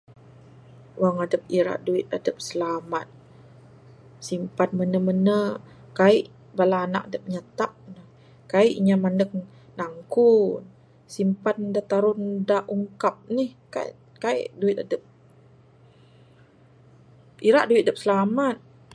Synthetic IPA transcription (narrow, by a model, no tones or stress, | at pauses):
waŋadəp̚iɾa̰ʔduɪt̪̚adəp̚səlamat̪̚ | simpan̚mənəmənə | kaiʔ | balaːna̰ʔadəp̚ɲat̪ap̚nə | kaiʔɲamanək̚ | naŋkun | simpandat̪aɾʊndaʔuŋkap̚nihka̰ | kaḭʔduit̪̚adəp̚ | iɾaʔduit̪̚adəp̚səlamat̪̚